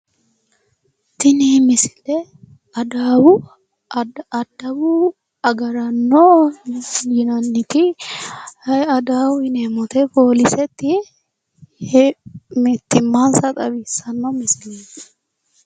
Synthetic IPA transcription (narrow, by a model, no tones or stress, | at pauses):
t̪ɪnimɪsɪ̥lɛ | ɐd̪aːwʊ | d̪ɐbu | ɐɡɐɾɐnːo | ɪnɐnːɪkɪ | ɐd̪aːwʊɪnɛmɔt̪ɛpoːlɪsɛt̪ːɪ | mt̪ːɪmːansɐt̪ʼɐbisɐnːɔmɪsɪle